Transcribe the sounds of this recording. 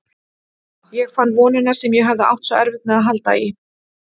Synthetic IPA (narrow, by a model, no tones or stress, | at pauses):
jɛɣfanːvɔːnɪnːaɾ̥sɛmjɛɦavðɪa̰wht̪sɔɛ̰ɾvɪt̪mɛðaðɦalt̪a̰i